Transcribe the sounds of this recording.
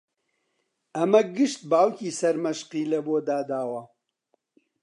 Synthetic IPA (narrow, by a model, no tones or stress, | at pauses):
ɐmɐɡɨʃt̪̚baːwkiːsɐɾmɐʃqiːlɐboːd̪aːd̪aːwɐ